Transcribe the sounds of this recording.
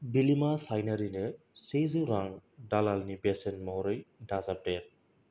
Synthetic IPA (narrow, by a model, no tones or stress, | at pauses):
bilimasajnaɾine | sezɯɾaŋdalalnibesenmɔɾɯjdazap̚eɾ